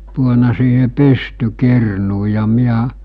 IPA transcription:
puonɑ siːhe pystykirnuː jɑ miæ

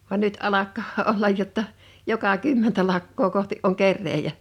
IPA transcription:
ʋɑn nyt ɑlɑkːɑː olːɑj jotːɑ jokɑ kymːentæ lɑkːoː kohtiʔ ʔoŋ kerːeːjæ

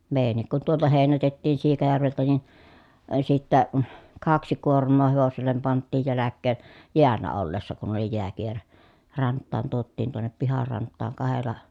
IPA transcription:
meˑi̯jænːik kun tuoltɑ heˑinætetːiːn siːkɑjærʋeltæ nin ə sitːæ kɑksi kuormˑoː heʋoselːem pɑntːiːj jælækːeːn jeælːæ olːesːɑ kun oli jeækieræ rɑntˑɑːn tuotːiːn tuonːep pihɑr rɑntˑɑːŋ kɑhelˑɑ

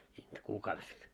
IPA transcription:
siːnt kuːkɑːʋest

